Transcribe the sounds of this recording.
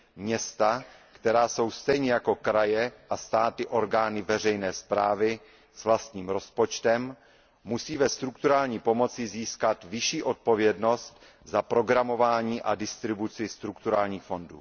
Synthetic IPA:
mɲɛst̪akt̪ɛɾaːso̞wst̪ɛjɲɛjako̞kɾajɛʔast̪aːt̪ɪʔo̞ɾɡaːnɪvɛrɛjnɛːspɾa̰ːvɪ | svlast̪ɲiːmɾo̞spo̞t͡ʃt̪ɛmː | usiːvɛst̪ɾuk̚t̪uɾaːlɲiːpo̞mo̞t͡sɪziːskat̪vɪʃiːʔo̞t̪̚po̞vjɛdno̞st̪ | zapɾo̞ɡɾamo̞vaːɲiːʔadɪst̪ɾɪbut͡sɪst̪ɾukt̪uɾaːlɲiːxfo̞ndṵː

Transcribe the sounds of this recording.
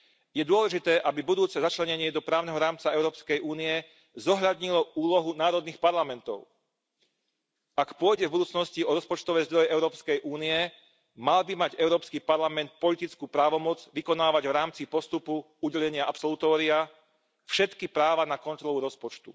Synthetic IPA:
jɛd̪ʊɔlɛʒit̪ɛːʔabibud̪uːt͡sɛzat͡ʃlɛɲɛɲɪɛd̪ɔpɾaːʊnɛɦɔɾaːmt͡saɛʊɾɔːpskɛjʔuːniɛ | zɔɦʎad̪ɲilɔuːlɔɦunaːɾɔd̪nixpaɾlamɛnt̪ɔ̰ʊ | ʔakpʊɔjɟɛvbud̪uːt͡snɔsciɔɾɔspɔt͡ʃt̪ɔʋɛːzd̪ɾɔjɛʔɛʊɾɔːpskɛjʔuːniɛ | malbimaɟɛʊɾɔːpskipaɾlamɛnt̪̚pɔlit̪it͡skuːpɾaːʋɔmɔd͡zʋikɔnaːʋaɟvɾaːmt͡sipɔst̪upu | uɟɛʎɛɲɪaʔapsɔlut̪ɔːɾia | fʃɛt̪kipɾaːʋanakɔnt̪ɾɔluɾɔspɔt͡ʃt̪ṵ

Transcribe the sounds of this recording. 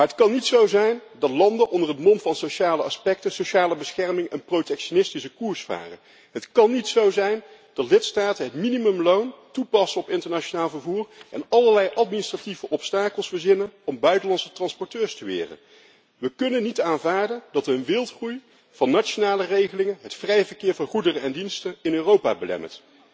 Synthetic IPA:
maːɦətkɑnːitsowzɛjndɑtlɑndəʔɔndərɦətmɔntfɑnsowʃaːləɑspɛk̚təsoʃaːləbəsχɛɹmɪŋənprowtɛkʃonɪstisəkuːɹsfa̰ːrə̰n | ɦətkɑnːitsowzɛjnd̥ɑtlɪtstaːtənɦətminimɵmlowntupɑsənɔpɪntəɹnat͡ʃonaːlˠvəɹvuːrɛnɑləɹlɛjʔɑtministrativəʔɔpstaːkəlˠsbəɹzɪnənɔmbœɥtəlɑnsə̥trɑnspɔɹtøːɹstəʋɪ̰ːrə̰n | ʋəkɵnənːitaːnvaːɹdəndɑtənʋɪlˠtχruj | v̥ɑnːat͡ʃonaːlərejχəlɪŋənɦətfrɛjəvəɹkɪːɹvɑnχudərənɛndinstənɪnøːrowpa̰ːbəlɛ̰mə̰t

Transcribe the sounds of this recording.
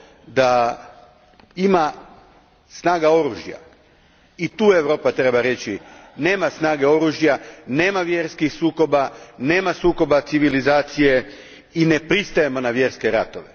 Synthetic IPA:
d̪a | ima | snaːɡao̞ɾuːʒja̰ | it̪uːe̞ʋɾo̞ːpat̪ɾe̞baɾe̞t͡ɕine̞ːmasnaːɡe̞o̞ɾuːʒjane̞ːmaʋje̞ɾskixsuːko̞bane̞ːmasuːko̞bat̪siʋilizaːt̪sije̞ | ine̞pɾist̪aje̞mo̞naʋje̞ɾske̞ɾat̪o̞ʋe

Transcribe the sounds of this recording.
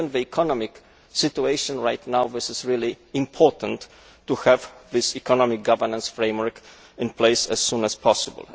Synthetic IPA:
nvəikʰɔnɔmik | sɪtueɪʃɔ̃nɹajt̪nawðɪsɪsɹili | ɪ̃mpʰɔɹt̪ə̃ntː | uhɛvðɪsikɔnɔmik̚ɡavə˞nãnsfɹẽɪ̃mwəɹk | ɪ̃npleɪsɛ̰sːũnɛspʰɔsɪbə̰l

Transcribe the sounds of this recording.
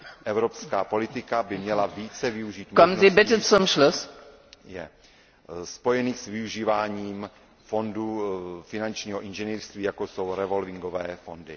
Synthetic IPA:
ʔɛvɾopskaːpo̞lɪt̪ɪkabɪmɲɛlaviːt͡sɛvɪuʒiːt̪mkɔmn̩nziːbɪtət͡sʊmʃlʊs | jɛ̰ | spo̞jɛniːxsvɪuʒiːvaːɲiːm | fo̞ndufɪnant͡ʃɲiːɦoʔɪnʒɛniːrst̪viːjakoso̞wɾɛvo̞lvɪŋɡo̞vɛːfo̞ndɪ̰

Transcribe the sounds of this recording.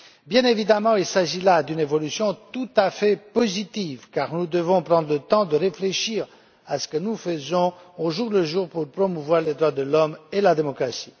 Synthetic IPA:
bjɛ̃nevid̪amɑ̃ilsaʒilad̪ynevɔlysjɔ̃t̪ut̪afɛpɔzit̪ivkaʁnud̪əvɔ̃pʁɑ̃d̪ʁlət̪ɑ̃d̪əʁefleʃiːʁ | asə̥kənufəzɔ̃oʒuʁləʒuːʁpuʁpχɔmuvwaʁled̪ʁwad̪əlɔmelad̪emɔkχasi̥

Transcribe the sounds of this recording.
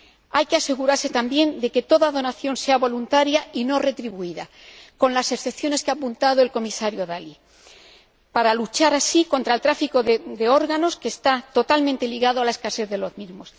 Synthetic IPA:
ajke̞ase̞ɣuɾaɾset̪ambje̞nd̪e̞ke̞t̪o̞ðaðo̞naθjo̞nse̞aβo̞lunt̪aɾjaino̞re̞t̪ɾiβuiða | ko̞nlase̞kθe̞pθjo̞ne̞skeapunt̪að̞oe̞lko̞misaɾjo̞ðali | paɾalut͡ʃaɾasiko̞nt̪ɾaelt̪ɾafiko̞ðed̪e̞o̞ɾɣano̞ske̞ːst̪at̪o̞t̪almẽnt̪e̞liɣaðoaleskase̞θðe̞lo̞zmizmo̞s

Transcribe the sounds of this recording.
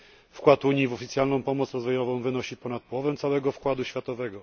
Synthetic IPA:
fkwat̪uɲjivɔfʲit̪sʲjalnɔ̃w̃pɔmɔt̪sɾɔzvɔjɔvɔ̃w̃vɘnɔɕipɔnat̪̚pɔwɔvɛmt̪sawɛɡɔfkwad̪uɕfʲjat̪ɔvɛɡɔ

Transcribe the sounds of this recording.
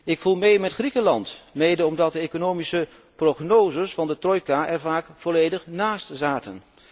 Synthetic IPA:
ɪkfulˠmejmɛtχrikəlɑntmejdəɔmdɑt̚dəekonowmisə | proχnowzəsfɑndətrɔjkaʔɛɹvaːkfɔlejdəχnaːstzaːtən

